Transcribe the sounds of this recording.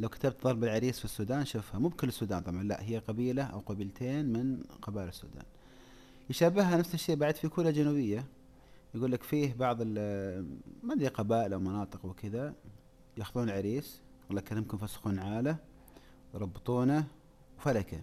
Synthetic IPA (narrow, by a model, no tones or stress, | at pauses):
lawkḁt̪ab̚t̪ðˤɑɾˤbɪlʕaɾiːsfisːuːd̪aːnʃʊfhamuːb̚kɪlːɪsːuːd̪aːnt̪ˤɑbʕɑnla̰ʔhɪjːaqɑbiːlaʔa̰wqɑbiːlt̪ʰeːnmɪnqɑbaːʔɪlɪsːṵːd̪a̰ːn | jʃabɪhhanafsɪʃːeːʔbaʕɪd̪fikuːlad͡ʒanuːbɪjːa | jɡuːlːakfiːhbɑʕðˤɪl | mad̪iqɑbaːʔɪlʔawmɑnɑːt̪ˤɨqwkɪða | jaxðuːnalʕaɾiːs | ɡulːakaɪmkʊmfasxuːnʕaːla | jɾˤɑbːɨt̪ˤuːna | wfalaka